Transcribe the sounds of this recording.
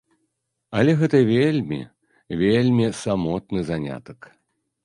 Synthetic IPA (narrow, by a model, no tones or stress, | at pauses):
ɐlʲɛɣɛt̪ɐvʲelʲmʲḭ | vʲelʲmʲisamɔt̪̚nɨzanʲa̰t̪ɐk